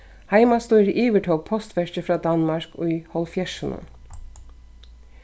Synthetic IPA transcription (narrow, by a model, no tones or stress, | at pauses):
hɑɪmɑst̪uːɾʔiːʋəʈʰɔlpʰɔst̪ʋɛʃəfɾɑːd̪ɑnmɑɹkʊʏhɔlfjɛʃənə̰n